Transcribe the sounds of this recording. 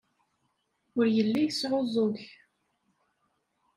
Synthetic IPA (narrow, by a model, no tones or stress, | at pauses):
ʊɾjəlːijəsʕozˤoç